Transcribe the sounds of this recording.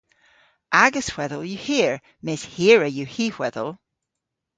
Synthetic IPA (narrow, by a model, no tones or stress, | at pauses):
ʔaɡəshw̥ɛðəlˠjəhiɹ | mɪshiɹəjəhihw̥ɛðə̰lˠ